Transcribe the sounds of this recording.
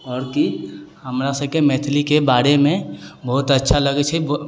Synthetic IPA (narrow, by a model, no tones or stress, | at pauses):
ɔːɾkihəmɾasəb̚kemɛːt̪ʰlikebaːɾemẽbəɦut̪ətːʃʰaləɡɛt͡ʃʰɛb